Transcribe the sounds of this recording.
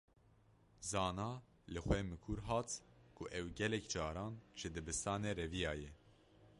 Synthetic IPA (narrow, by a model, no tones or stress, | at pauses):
zɑːnɑː | lɨxwɛmɨkʰuɾɦɑːt̪kʰuʔɛwɡɛlɛkd͡ʒɑːɾɑːnʒ̥ɨd̪ɨbɨst̪ɑːneːɾɛvijɑːjɛ